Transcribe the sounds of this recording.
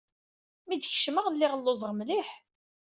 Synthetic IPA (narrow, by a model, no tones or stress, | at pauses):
mid̪ç̥ʃməʁəlːɪʁəlːozˤʁmliħ